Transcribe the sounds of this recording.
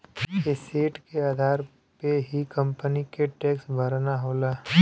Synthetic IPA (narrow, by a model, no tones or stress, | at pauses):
ɪsiːʈkeaːd̪ʱaːɾ | peɦikə̃mpənikeʈɛːksbʱɐɾnaɦoːlaː